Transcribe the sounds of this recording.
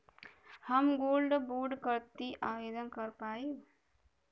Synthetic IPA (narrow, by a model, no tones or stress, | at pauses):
həmɡoːlɖboɾɖkəɾt̪iʔaːjed̪ənkəɾpaːi